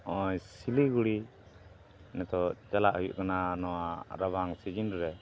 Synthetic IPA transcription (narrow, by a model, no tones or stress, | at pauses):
ɔjsiliɡuɽi | nɛt̪ɔt͡ʃalaʔɦujṵʔkananɔwaɾabʱaŋsid͡ʒinɾɛ